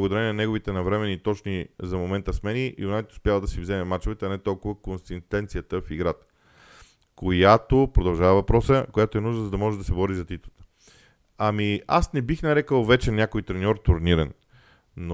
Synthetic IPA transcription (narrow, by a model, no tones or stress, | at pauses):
əɡod̪ɐɾɛnʲɛnɐnɛɡovit̪ɛnɐvɾɛmɛnit̪ɔt͡ʃnizɐmomɛnt̪əsmɛniunajt̪ʊ̥spjavəd̪ɐsivzɛmɛmat͡ʃovɛt̪əɐnɛt̪ɔlˠkʊvəkonst̪int̪ɛnt̪sijət̪əfiɡɾat̪ə̥ | kojat̪opɾod̪ɐlˠʒavəvɐpɾɔsəkojat̪oɛnuʒnəzɐd̪ɐmɔʒɛd̪ɐsɛbɔɾizɐt̪it̪ət̪ə̥ | ɐmia̰snɛbixnɐɾɛkəlˠvɛt͡ʃɛnʲjakoit̪ɾɛnʲɔɾt̪ʊɾniɾənː | o